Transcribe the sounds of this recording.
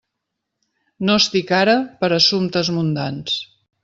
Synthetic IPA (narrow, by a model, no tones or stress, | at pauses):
nost̪ikaɾəpəɾəsumt̪əzmund̪ans